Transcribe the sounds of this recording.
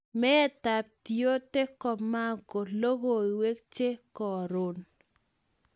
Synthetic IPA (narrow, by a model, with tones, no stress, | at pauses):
mɛ˦ta˨p̚tio˦te˦kɔ˨mːa˦˨ɡo˨lo˦ɡo˨i˨we˦k̚t͡ʃe˦kɔ˨ɾo˨n